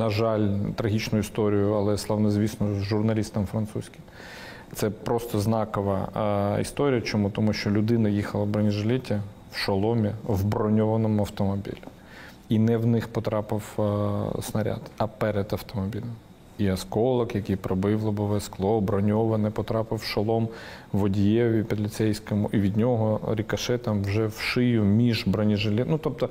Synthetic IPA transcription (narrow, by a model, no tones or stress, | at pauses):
nɐʒɑlʲt̪ɾɐɦʲit͡ʃnʊjʊist̪ɔɾʲijʊɐlˠɛslˠɑwnɛzʲʋʲisnɔzʒʊrnɐlʲist̪ɐmfɾɐnt̪susʲkʲɪm | t̪sɛpɾɔst̪ɔznɑkɔʋɐ̰ḭst̪ɔɾʲijɐt͡ʃɔmut̪ɔmuʃt͡ʃɔlʲʊd̪ɪnɐjixɐlˠɐbɾɔnʲiʒlʲitʲɐ | wʃɐlˠɔmʲiʋbɾɔnʲɔʋɐnɔmʊɐwt̪ɔmɔbʲḭlʲʊ | inɛwnɪxpɔt̪ɾɑpɪw | snɐɾʲa̰d̪ɐpɛɾɛd̪ɐwt̪ɔmɔbʲilʲɐm | iɐskɔlˠɐkjɐkijpɾɔbɪwlˠɐbʊʋɛsklˠɔbɾɔnʲɔʋɐnɛpɔt̪ɾɑpɪwʃɐlˠɔm | ʋɔdʲijɛʋʲipʲid̪lʲɪt̪sɛjsʲkɔmʊʔiʋʲid̪ʲnʲɔɦɔɾʲikɐʃɛt̪ɐmwʒɛwʃɪjʊmʲiʒbɾɔnʲiʒɪlʲinut̪ɔp̚t̪ɔ